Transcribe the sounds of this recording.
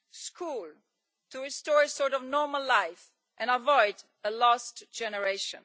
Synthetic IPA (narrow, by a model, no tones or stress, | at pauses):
skʰul | tuɹɪstɔɹəsɔɹɾɔvnɔɹməlːaɪf | ʔɛ̃nəvɔɪd | əlɔstd͡ʒ̥ɛnəɹeɪʃə̰̃n